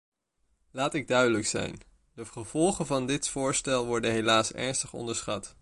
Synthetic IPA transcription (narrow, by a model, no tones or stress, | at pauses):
laːtɪɡ̚dœɥdələksɛ̰jn | dəχəv̥ɔlˠχənvɑndɪtfʊːɹstɛlˠʋɔɹdənɦelaːsɛ̰ɹnstəχɔ̰ndəɹsχɑt